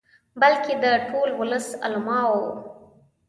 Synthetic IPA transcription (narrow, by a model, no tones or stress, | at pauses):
balkʰed̪əʈʰolwʊləsa̰lmɑwo